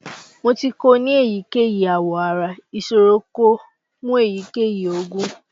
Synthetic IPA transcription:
mo˧ti˧ko˧nĩ˦e˦˨ji˨˦ke˦˨ji˨a˨wɔ˨a˨ɾa˧i˨ʃo˧ɾo˦ko˦ | mũ˦e˦˨ji˨˦ke˦˨ji˨o˨˧ɡũ˦

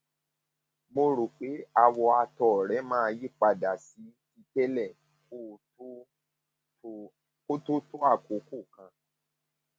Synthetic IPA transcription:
mo˧ɾo˨k͡pe˨˦a˧wɔ˧a˧tɔ˨ɾɛ˨˦mãː˦˧ji˦k͡pa˧da˨si˨˦ti˧kɛ˦lɛ˦˨ | k | ko˦tu˦tu˦a˦˨ko˨˦ku˦˨kã˧

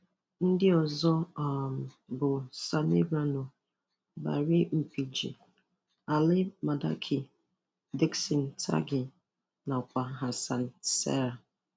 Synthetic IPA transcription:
n̩˦dɪ˦ɔ˨zɔ˦˨m̩˨bʊ˨sa˨ne˦ɾa˦no˨ | ba̰˨ɾɪ˦m̩˨pi˨d͡ʒḭ˨ | a˨lɪ˦ma˨da̰˦kʰi˨ | de˦ksi˨n̩˨tʰa̰˦ɡɪ˨ | na˨kʷa˨ɦa˨sa˨n̩˨sɛ̰˦ɾa˨

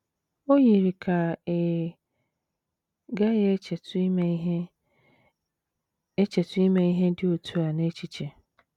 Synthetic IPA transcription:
o˦ji˨ɾi˨kʰa˨e˨ | ɡa˦jɛ˦ɛ˨tm˦i˦ɦ | ɛ˦t͡ɕʰɛ˨tʰʊ˦i˦mã˦i˦ɦɛ˦dɪ˦o˨tʰu˦a˨nã˦e˦t͡ɕʰi˨t͡ɕʰɛ˨

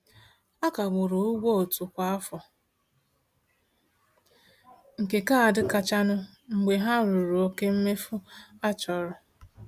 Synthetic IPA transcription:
a˦ka˨ɡ͡bʊ˨ɾʊ˨u˦ɡo˦o˨tu˨kʷa˦a˦fɔ˨ | ŋ̩˨ke˨ka˦˨a˨dɪ˦ka˦t͡ʃa˦nʊ˦ | ŋ͡m̩˨ɡ͡be˨ɦa˦ɾu˨ɾu˨o˦ke˦m̩˦me˦fʊ˦a˦t͡ʃɔ˨ɾʊ˨

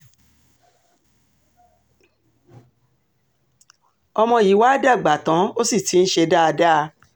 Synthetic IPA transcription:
ɔ˧mɔ̃˧˨i˨˦wa˦da˦˨ɡ͡ba˨tã˨˦o˦si˦˨ti˨˦n̩˦ʃe˧da˦a˧da˦˧

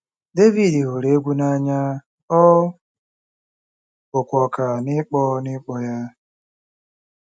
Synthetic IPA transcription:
de˦vi˨di˨ɦo˨ɾe˦ɡʷu˦na˦ɲa˦ | ɔ˦ | ʊ˨kʷɔ˨ka˨nɪ˦k͡pɔ˦nɪ˦k͡pɔ˦ja˦

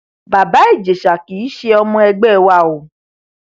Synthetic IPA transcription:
ba˨ba˨˦e˦˨d͡ʒe˨ʃa˨ki˨˦ʃe˧ɔ˧mɔ̃˧ɛ˧ɡ͡bɛ˦˨wa˧˨o˨

